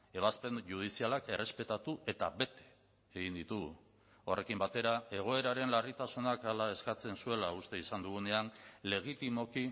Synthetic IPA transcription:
e̞βaspe̞nʝuð̞isialake̞re̞spe̞t̪at̪ue̞t̪aβe̞t̪e̞̥ː | ɣind̪it̪uɣ | o̞re̞kimbat̪e̞ɾae̞ɣ̞o̞e̞ɾaɾe̞nlarit̪asunakalae̞skat͡se̞nsue̞laust̪e̞isand̪uɣ̞une̞anle̞ɣ̞it̪imo̞ki

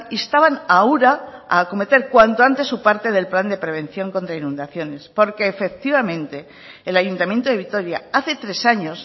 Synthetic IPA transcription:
iest̪aβanauɾaako̞me̞t̪e̞ɾkwant̪oant̪e̞sːupaɾt̪e̞ð̞e̞lpland̪e̞pɾe̞β̞ẽ̞n̟θjo̞ŋko̞nt̪ɾainũnd̪aθjo̞ne̞spo̞ɾke̞ːfe̞k̚t̪iβamẽnt̪e̞ː | laʝunt̪amje̞nt̪oe̞βit̪o̞ɾjaaθe̞t̪ɾe̞saɲo̞s

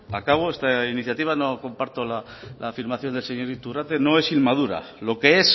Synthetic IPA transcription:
akaβ̞oest̪ainiθjat̪iβ̞ano̞ko̞mpaɾt̪ola | laːfiɾmaθjo̞nd̪elseɲo̞ɾit̪urat̪e̞no̞e̞silmað̞uɾa̰ | lo̞ke̞e̞s

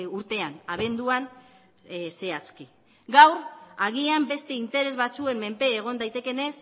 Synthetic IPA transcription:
uɾt̪e̞anaβ̞e̞nd̪uan | se̞at͡ski | ɡawɾaɣiambe̞st̪e̞int̪e̞ɾe̞zβat͡sue̞mːe̞mpe̞ːɣ̞o̞nd̪ajt̪e̞ke̞ne̞s

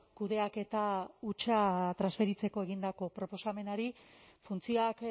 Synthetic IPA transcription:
kuðe̞ake̞t̪aut͡ʃat̪ɾazβe̞ɾit͡se̞ko̞e̞ɣind̪ako̞pɾo̞po̞same̞naɾifunt͡sioak

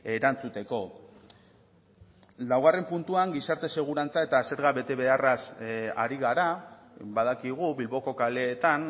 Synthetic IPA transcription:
e̞ɾant͡sut̪e̞ko̞ | lawɣ̞are̞mpunt̪uaŋɡisaɾt̪e̞se̞ɣ̞uɾant͡sae̞t̪ase̞ɾɣaβe̞t̪e̞βe̞arasa̰ɾiɣ̞aɾa | bað̞akiɣ̞ubilβo̞ko̞kale̞ːt̪an

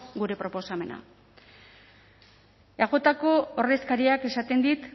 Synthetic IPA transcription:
ɡuɾe̞pɾo̞po̞same̞na̰ | aɣ̞o̞t̪ako̞ːre̞skaɾiake̞sat̪e̞nd̪it̪

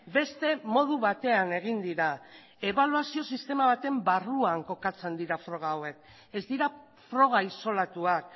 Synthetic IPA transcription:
be̞st̪e̞mo̞ð̞uβat̪e̞ane̞ɣind̪iɾa | e̞β̞aluasio̞sist̪e̞maβat̪e̞mbaruaŋko̞kat͡se̞nd̪iɾafɾo̞ɣ̞aːwe̞k | e̞zd̪iɾa | fɾo̞ɣ̞aiso̞lat̪uak̚

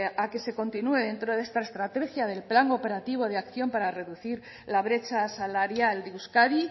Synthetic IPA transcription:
ake̞se̞ko̞nt̪inue̞ðe̞nt̪ɾo̞ðe̞st̪ae̞st̪ɾat̪e̞xjaðe̞lplaŋo̞pe̞ɾat̪iβ̞o̞ð̞eakθjo̞mpaɾare̞ðuθiɾ | laβ̞ɾe̞t͡ʃasalaɾjald̪euskaði

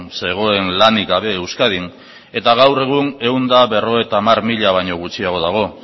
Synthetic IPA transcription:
se̞ɣ̞o̞e̞nlanikaβe̞ːwskað̞in | e̞t̪aɣ̞awre̞ɣ̞une̞und̪aβe̞ro̞e̞t̪aːmaɾmiʎaβ̞ajɲo̞ɣ̞ut͡siaɣ̞o̞ðaɣ̞o̞

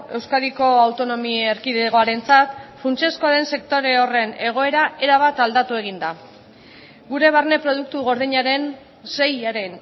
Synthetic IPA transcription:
e̞wskaðiko̞awt̪o̞no̞mieɾkiðeɣo̞aɾe̞nt͡sat̪funt͡ʃeskoaɾe̞nse̞k̚t̪o̞ɾe̞ore̞ne̞ɣ̞o̞e̞ɾae̞ɾaβ̞at̪ald̪at̪ue̞ɣ̞ind̪a | ɡuɾe̞βarne̞pɾo̞ð̞uk̚t̪uɣo̞ɾðiɲaɾe̞n | se̞jaɾe̞n

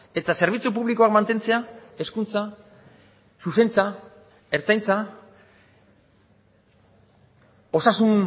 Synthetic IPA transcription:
e̞t̪ase̞ɾβ̞it͡sup̬uβliko̞akmant̪e̞nt͡se̞ae̞skunt͡sa | suse̞nt͡sa | e̞ɾt͡sajnt͡sa | o̞sasun

